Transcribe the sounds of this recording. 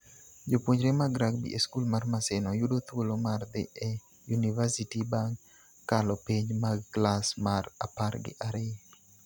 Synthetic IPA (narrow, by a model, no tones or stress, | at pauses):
d͡ʒopwoɲɾemaɡɾaɡbḭʔeskulmarmasɪnɔjudot̪wolomard̪ɪ̰ɛ | junivasitibaŋ | kːalɔpiɲmaklasmara̰parɡɪ̰ʔaɾɪ